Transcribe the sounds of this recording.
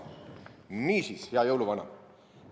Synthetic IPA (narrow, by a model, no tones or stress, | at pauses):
miːsisheɑjɤwluvɑnɑ̰